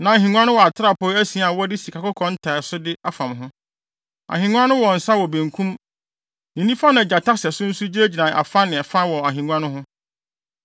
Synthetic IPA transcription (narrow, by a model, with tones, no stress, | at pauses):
nã˨ɦĩ˨ŋʷ˦ã˦nʊ̃˦wɔ˨a˨tʰɪ˦ɾa˦˨pɔː˦æ˦sĩ˨˦˨a˨wɔ˦dɪ˦si˨kʰa˨kʊ˦kʰɔ̃˦n̩˦tʰa˨sʊ˦dɪ˦a˦fã˨mɦʊ̃˦ | a̰˨ɦĩ˨ɲʷ˦ã˦nʊ̃˦wɔ˨n̩˨sa˦wɔ˨bẽ˨ŋkʰũ˦m | nĩ˨nĩ˦fa˦nã˨d͡ʑa˨tʰa˦sɛ˨sʊ̃˦n̩˦su˦d͡ʑi˦e˦d͡ʑi˨nã˨ʔa̰˨fa˦nɪ̃˨ɛ˨fa˦wɔ˨a˨ɦĩ˨ɲʷ˦ã˦nʊ̃˦ɦʊ̃˦